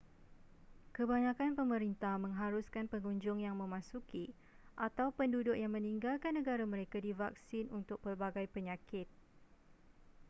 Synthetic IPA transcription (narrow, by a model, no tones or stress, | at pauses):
kəbaɲãkanpəmə̃ɾint̪ahmə̃ŋɦaɾuskanpəŋuɲd͡ʒʊŋjaŋmə̃mãsuki | ʔat̪awpəndudʊk̚jaŋmə̃niŋɡalkanːə̃ɡaɾamə̃ɾekadiva̰k̚sɪnunt̪ʊk̚pərbaɡajpəɲakɪt̪̚